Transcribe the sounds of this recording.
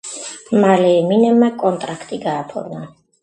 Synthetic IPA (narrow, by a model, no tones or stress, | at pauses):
malɛːminɛmːakʼɔnt̪ʼɾakʰt̪ʼiɡaːpʰɔ̰ɾna